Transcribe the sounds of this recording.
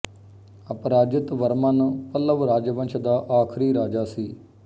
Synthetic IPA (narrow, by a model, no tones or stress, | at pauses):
əpɾaːd͡ʒɪt̪ʋəɾmaːnːpələʋɾaːd͡ʒʋə̃nt͡ʃʰd̪aːʔaːkʰɾiːɾaːd͡ʒaːsiː